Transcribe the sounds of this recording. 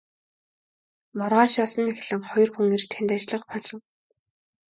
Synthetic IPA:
mɔrʁaːʃaːsə̆nːexɮɘ̆ŋχɔjɞ̆rxuŋirt͡ɕt̪ʰænt̪at͡ɕɮə̆qpɔɮɞ̆ŋ

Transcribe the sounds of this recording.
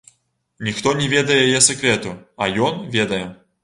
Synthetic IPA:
nʲixt̪ɔnʲɛvʲed̪ɐjɛjjɛsʲɛkɾʲɛt̪uajɔnvʲed̪ɐjɛ

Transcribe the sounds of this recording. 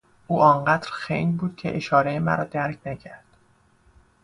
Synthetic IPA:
ʔuːʔɒːɴɢæːd̪̥ɾxḛjnbuːd̪̥̚cʰḛʔeʃɒːɾejemæ̰ɾɒːd̪æɾcʰnæcʰæɾd̪̥

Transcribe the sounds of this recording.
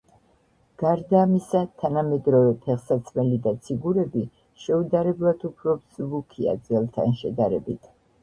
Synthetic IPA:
ɡ̥aɾd̪aːmisat̪ʰanamɛd̪ɾɔvɛpʰɛχsat̪sʰmɛlid̪at̪sʰiɡuɾɛbi | ʃɛud̪aɾɛblˠad̪upʰɾɔpsvukʰia̰d̪zʼɛlˠt̪ʰa̰nʃɛ̰d̪aɾɛbit̪ʰ

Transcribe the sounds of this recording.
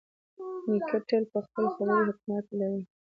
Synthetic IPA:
nikʰaʈelpəxpəlxazajɦɪkmat̪laɾi

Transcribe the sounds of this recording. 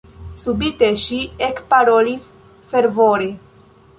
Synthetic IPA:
subit̪eʃiekpaɾolis | feɾvoɾe

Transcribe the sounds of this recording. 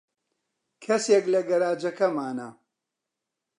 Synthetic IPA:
kʰɐseklɐɡɐɾaːd͡ʒɐkɐmaːnɐ

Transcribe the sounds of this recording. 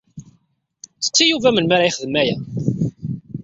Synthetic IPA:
t͡sːə̥t͡sːijuvæmənmaɾajχəðəmæjæ

